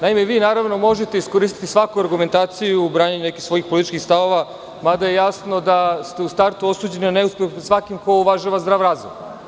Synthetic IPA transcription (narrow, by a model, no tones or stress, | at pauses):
naime̞ʋiːnaːɾaʋno̞mo̞ʒet̪e̞isko̞ɾist̪i̥t̪isʋakuaɾɡume̞nt̪aːt̪sijubɾaːɲaɲune̞kixsʋo̞jixpolit̪i̥t͡ʃkixst̪aʋo̞ʋa | mad̪aje̞jasno̞d̪ast̪e̞ust̪aɾt̪uo̞suːd͡ʑe̞nianeuspʲjexpesʋakimko̞uʋaʒaʋazd̪ɾaːʋɾaːzoɡ